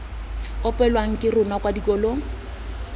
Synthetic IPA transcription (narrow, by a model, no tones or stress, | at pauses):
ʊpʼɛlwaŋ̩kʼɪrʊnakʼwadikʼɔːlo